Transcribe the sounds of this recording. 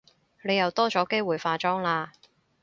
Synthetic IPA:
ne˨˧jɐ˨wt̪ɔː˥t͡ʃɔː˨˥ke˥jwuː˨˩jfaː˧t͡ʃɔː˥ŋlaː˧

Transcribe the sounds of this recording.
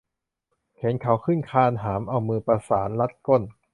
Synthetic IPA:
kʰe˩˦nkʰa˩˦wkʰɯ˥˩nkʰaː˧nɦaː˩˦mʔa˧wmɯː˧pa˧saː˩˦nla˦˥t̪̚ko˧˥˩n

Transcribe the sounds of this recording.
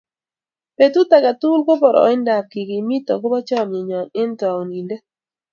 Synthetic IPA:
pe˨tu˦ta˨ka˨tu˦lɡo˦bɔ˨ɾɔ̰˨˦ɪ˦nda˨kːɪ˨ɡɪ˨mi˦tɔ̰˨ɡo˦bɔ˦t͡ʃɔ˦˨mje˨ɲɔ˨nɪ˦ntɔ˨o˨ni˨le˦

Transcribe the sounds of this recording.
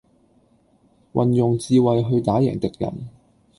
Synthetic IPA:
wʔɐ˨njʊ˨˩ŋt͡siː˧wɐ˨jɦɵ˧ɥt̪aː˨˥jɛ̰ː˨˩ŋt̪ɪ˨k̚jɐ̰˨˩n

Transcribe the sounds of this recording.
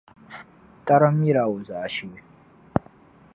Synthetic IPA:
ta˦ɾa˦mi˦ɾa˨wo˨za˨a˨ʃi˦we˦

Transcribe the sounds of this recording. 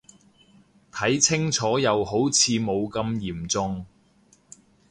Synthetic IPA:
t̪ʰɐ˨˥jt͡sʰɪ˥ŋt͡sʰɔː˨˥jɐ˨˧wɦo˨˥wt͡sʰiː˨˧mo˨˧wkɐ˧mjiː˨˩mt͡sʊ˧ŋ

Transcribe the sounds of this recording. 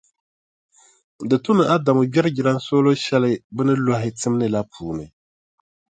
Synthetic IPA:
dɨ˨tʊ˦nɨ˨a˦da˨mʊ˨bɛ˦ɾɨ˦ɡɪ˨ɾa˦n˦soː˦lo˦ʃɛ˦lɨ˦bɨ˦nɨ˦la˦ɦɪ˨tɨ˦m˦nɨ˨la˦pʰuː˨nɨ˨

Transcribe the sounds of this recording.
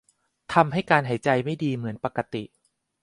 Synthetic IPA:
t̪ʰa˧mɦa˥˩jkaː˧nɦa˩˦jt͡ɕa˧jma˥˩jdiː˧mɯ˩˦ənpa˨˩kːa˧t̪i˨˩ʔ

